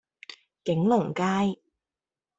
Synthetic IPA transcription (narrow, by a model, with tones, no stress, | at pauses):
kɪ˨˥ŋlʊ˨˩ŋkaː˥j